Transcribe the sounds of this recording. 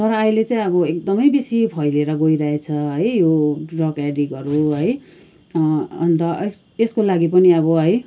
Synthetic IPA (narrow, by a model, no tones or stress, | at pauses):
t̪ʌɾʌajlet͡saĩʌbʌek̚d̪ʌmʌjbisipʰʌjleɾʌɡojɾaɦet͡sʰʌɦʌjjorʌkaɖiɡʌɾuɦʌj | ʌnt̪ʌeskolaɡipʌniʌβʌɦʌj